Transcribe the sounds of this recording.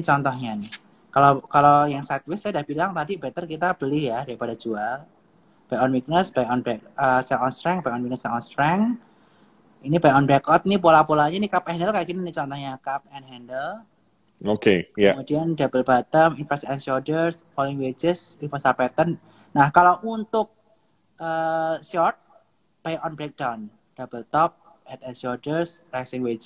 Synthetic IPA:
it͡ʃɔnt̪ɔhɲanɪ | kalokalojaŋsat̪̚wɪsadahb̥ilaŋt̪adibet̪ərkit̪ab̥əlihjadaɾipadad͡ʒual | b̥ajɔnwik̚nəsb̥ajɔnbɛkəsɛŋɔnst̪ɾɛŋbajkɔnwik̚nəsɛŋɔnst̪ɾɛŋ | inibajkɔnbɾɛkɔt̪̚nip̬olapolaɲanikapɛndəlkajaɡininit͡ʃɔnt̪ɔhɲakap̚ɛnɦɛndəl | okekaəmud̥iandab̥əlb̥at̪əminfɛstɛnʃɔdərs | polɪŋwed͡ʒəsdifəsapɛt̪ənː | ahkalaʔunt̪ʊk̚ | ʔəsɔrt̪̚ | b̥ajʔɔnbɾɛk̚d̥awn | d̥ab̥əlt̪ɔp̚ | hɛt̪̚ɛnsɔrdərsɾɛksiŋwed͡ʒ

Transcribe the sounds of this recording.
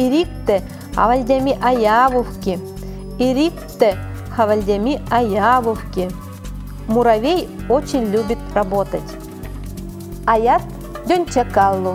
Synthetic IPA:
iɾʲik̚t̪ɘ | a̰ʋɐlʲd̪ʲamʲiʔajaʋufkʲi | iɾʲik̚t̪ɘ | xaʋalʲd̪ʲamʲiajaʋuwkʲi | muɾaʋʲej | ot͡ɕenʲlʲubʲit̪rabot̪ətʲ | ajat̪ | d̪ʲonʲt͡ɕakɑlˠːu

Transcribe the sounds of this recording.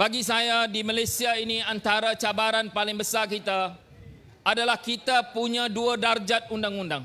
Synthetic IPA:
b̥aɡisajadimalasiainiant̪aɾat͡ʃabaɾanpalɪŋbəsarkit̪a | ʔadalahkit̪apuɲãduadard͡ʒat̪̚undaŋundaŋ

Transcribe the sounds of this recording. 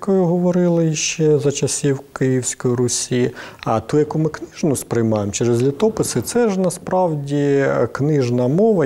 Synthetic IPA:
kɔjʊɦɔʋɔɾɪlˠɪjʃt͡ʃɛzɐt͡ʃɐsʲiwkɪjiwsʲkɔjɾʊsʲiɐt̪ujɐkumɪknɪʒnʊspɾɪjmɑjemt͡ʃɛɾɪzlʲit̪ɔpɪsɪt̪sɛʒnɐspɾɑwdʲiknɪʒnɐmɔʋɐ

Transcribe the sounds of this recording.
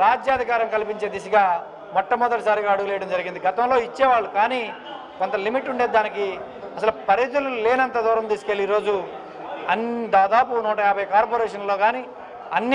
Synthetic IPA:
ɾaːd͡ʒjaːd̪ʱikaːɾɐmkɐlipiɲt͡ʃe̞ːd̪is̬ɐɡaː | mɔʈːɐmɔd̪ɐʈɐsaːɾiɡaːɐɽuɡulɛjɐɽɐmd͡ʒɐɾiɡind̪iɡɐt̪ɐmlo̞ːit͡ʃːɛːʋaːɭːukaːniː | kont̪ɐlimiʈːuɳɖeːd̪aːniki | ɐsɐlupɐɾid̪ululeːnɐnt̪ɐːd̪ɔːɾɐmt̪iːsu̥keliɾo̞ːd͡ʒu | ɐnd̪aːd̪aːpunuːʈɐjaːbʱɐjkaːɾp̬oːɾɛːʂɐnlo̞ːɡaːniː | ɐnːi

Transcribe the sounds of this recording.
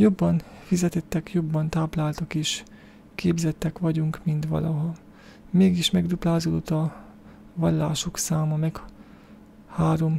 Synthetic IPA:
jo̞bːɒnfizɛt̪ɛt̪ːɛkjo̞bːɒnt̪aːplaːlt̪ɒkeːʃ | keːbzɛt̪ːɛkʋɒɟuŋkmint̪ʋɒ̰lʔɒɦɒ | meːɡiʃmɛɡd̪uplaːzod̪ot̪ɒ | ʋɒlːaːʃoksaːmɒmɛk | haːɾo̞m

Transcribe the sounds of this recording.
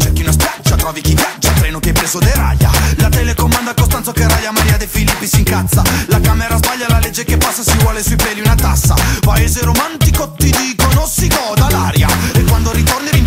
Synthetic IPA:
t͡ʃɛkːiunaspjad͡ʒːat̪ɾɔːvik̟ivjad͡ʒːat̪ɾɛːnokeɛpːɾeːzod̪eɾa̰ʎːa̰lat̪ɛlekomːand̪akost̪ant̪sokeɾajːamaɾiːad̪efilipːisiŋkat̪sːalakaːmeɾazbaʎːalaled͡ʒːekepːasːasivwɔːlesuipɛːliunat̪a̰sːa̰paeːzeɾomant̪ikot̪id̪iːkononsiɡɔd̪alaːɾjaekːwand̪oɾit̪orneɾi

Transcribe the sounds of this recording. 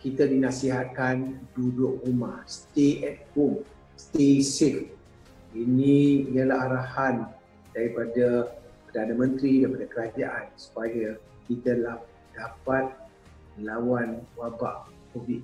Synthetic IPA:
kit̪adinasiɦat̪̚kandudʊʔrumahst̪eʔɛt̪̚hom | st̪esil | inĩijəlaɦaɾahan | daɾipadapərdanãmə̃nt̪ɾidaɾipadakəɾad͡ʒaʔansu̥paja | kit̪əlah | d̥apat̪̚ | məlawanwaba̰ʔkovit̪̚

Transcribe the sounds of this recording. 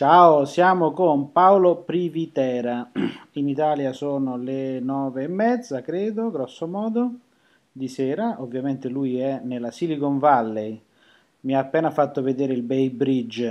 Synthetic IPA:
t͡ʃaosjaːmokʊmpawlopɾivit̪ɛːɾainit̪aːljasoːnolenɔːveːmːɛd̪zːakɾeːd̪oɡɾɔsːomɔːd̪o | d̪isɛːɾaʔovːjament̪ɪlujɛnelasilikoɱvalːej | miaːpːɛːnafat̪ːʊved̪ɛːɾɪilbɛjbɾid͡ʒ

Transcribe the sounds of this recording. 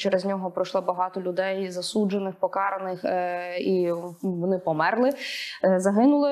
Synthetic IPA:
t͡ʃɛɾezʲnʲɔɦɔpɾɔʃlˠɔbɐɦɑt̪ɔlʲʊd̪ɛjzɐsud͡ʒenɪxpɔkɑɾɐnɪxiʋɔnɪpɔmɛrlˠɪzɐɦɪnʊlˠɪ

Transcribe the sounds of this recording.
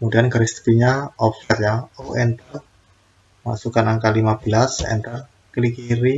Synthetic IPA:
kəmudianɡaɾist̪i̥piɲaɔpfɛt̪jaoʔɛnt̪ər | ma̰sukanaŋkalimabəlasɛ̰nt̪ər | kəlikiɾi

